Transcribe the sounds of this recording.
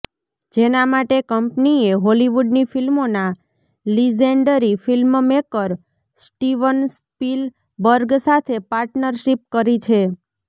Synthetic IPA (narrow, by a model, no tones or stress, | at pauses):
d͡ʒenamaʈekəmpnieɦoliʋuɖnifilmona | lid͡ʒeɳɖəɾifilmmekəɾ | sʈiʋənspil | bəɾɡsat̪ʰepaɾʈnəɾʃip̚kəɾit͡ʃʰe